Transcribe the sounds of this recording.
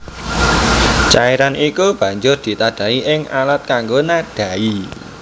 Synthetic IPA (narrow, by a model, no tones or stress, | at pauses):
t͡ʃaeɾanikub̥ä̤ɲd͡ʒʊrd̪̥i̤t̪ad̥ä̤iʔɪŋa̰lat̪̚kaŋɡonaɖ̥ä̤i